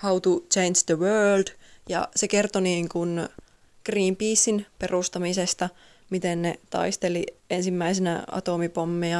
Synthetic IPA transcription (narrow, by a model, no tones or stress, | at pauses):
hɑut̪ut͡ʃeinsd̪əʋøːld̥jɑ̰sekert̪oniːŋkun | ɡ̥riːmpiːsːinperust̪ɑmisest̪ɑ | mit̪ennet̪ɑ̰ist̪eliensimːæisenæ̰ɑ̰t̪omipomːiɑ